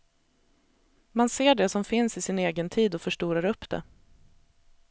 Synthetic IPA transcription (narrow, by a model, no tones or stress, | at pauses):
manseːɖɛsɔmfɪnsɪsɪneːɡənt̪ʰiːd̪ɔfœʂʈuːɾaɾɵpːd̪̥ɛ̰